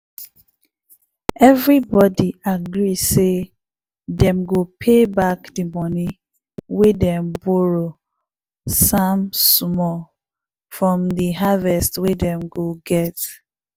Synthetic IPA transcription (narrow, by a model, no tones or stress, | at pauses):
ɛvɹibɔdiaɡɹise | dɛ̃mɡopʰebakdəmɔni | wedɛ̃mbɔɹo | samsmɔ | fɹɔ̃mdiɦavɛstwedɛ̃mɡoɡɛt